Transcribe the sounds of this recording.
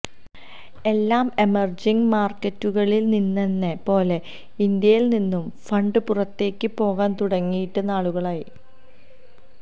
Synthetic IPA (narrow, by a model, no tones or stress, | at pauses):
e̞lːaːme̞mɐrd͡ʑiŋmaːrkːɐtːuɣɐɭilninːenːepo̞ːle̞ | ind̪jɐjilninːumfɐɳɖɨpurɐt̪ːe̞ːkːɨpo̞ːɣaːnt̪uɽɐŋːijiʈːɨnaːɭuɣɐɭaːji